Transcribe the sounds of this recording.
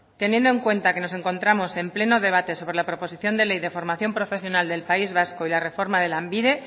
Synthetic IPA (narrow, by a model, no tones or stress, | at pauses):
t̪e̞njend̪oe̞ŋkwe̞nt̪ake̞no̞s̬e̞ŋko̞nt̪ɾamo̞se̞mple̞no̞ðe̞β̞at̪e̞so̞β̞ɾe̞lapɾo̞po̞siθjo̞nd̪e̞lejðe̞fo̞ɾmaθjo̞mpɾo̞fe̞s̬jo̞nald̪e̞lpaizβasko̞ilare̞fo̞ɾmað̞e̞lambiðe̞